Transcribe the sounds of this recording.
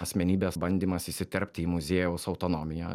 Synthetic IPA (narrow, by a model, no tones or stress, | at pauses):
ɐsʲmʲɛnʲiːbʲeːsbɐnʲd̪ʲiːmɐsiːsʲɪt̪ʲɛɾʲpʲt̪ʲiːmʊzʲeːjɛʊsɒʊt̪oːnoːmʲɪjɛ̰